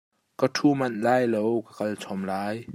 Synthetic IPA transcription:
kat̪ʰuːmɐnlaːjlowkakɐlt͡sʰɔmlaːj

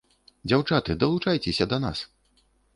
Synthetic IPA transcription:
d͡zʲawt͡ʂat̪ɨd̪ɐlˠut͡ʂajt͡sʲesʲɐd̪ɐna̰s

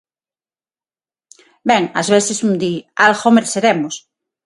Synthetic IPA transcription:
beŋazβeθesund̪ialxomeɾseɾemos

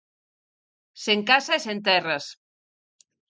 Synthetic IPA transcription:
seŋkasɐesent̪ɛrɐs

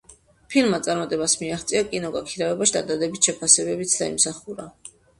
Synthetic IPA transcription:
pʰilˠmat̪sʼaɾmat̪ʼɛbasmiaχt̪sʼiakʼinɔɡakʰiɾavɛbaʃd̪ad̪ad̪ɛbisʃɛpʰasɛbɛbit̪sʰd̪a̰ḭmsaχuɾa

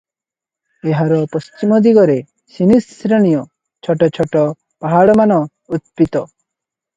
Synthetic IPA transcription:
eɦaɾɔpɔst͡ʃimɔd̪iɡɔɾe | sinisɾeɽ̃ijɔ | t͡ʃʰɔʈɔt͡ʃʰɔʈɔ | paɦaɽɔmanɔ | ut̪̚pit̪ɔ

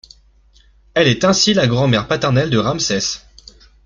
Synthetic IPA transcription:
ɛlɛt̪ɛ̃silaɡʁɑ̃mɛʁpat̪ɛʁnɛld̪əʁamsɛs

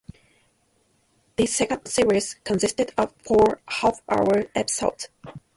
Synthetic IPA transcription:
ðɨsɛkə̃nd̥sɪɹiz̥kʰə̃nsɪstɨdʌv̥fɔɹhafʔa̰ʊə˞ɛbsa̰lt

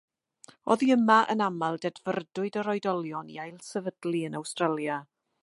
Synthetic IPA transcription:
ɔðiəmaʔə̰namalˠdɛdvərdʊɨdəɾɔɨdɔlˠjɔnḭajlˠsɛvədlˠiənawstralˠja

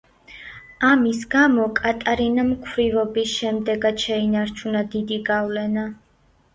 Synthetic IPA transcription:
amisɡamɔkʼat̪ʼaɾinamkʰvɾivɔbisʃɛmd̪ɛɡad̪ʃɛinaɾt͡ʃʰunad̪id̪iɡavlɛna

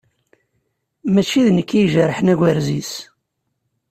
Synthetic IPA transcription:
mæt͡ʃːiðnəkːiʒəɾˤħənæɡʷəɾzis

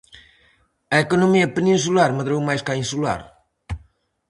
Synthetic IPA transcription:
ɐekonomiɐpenĩns̬ulaɾmɐðɾowmajskaĩnsula̰ɾ

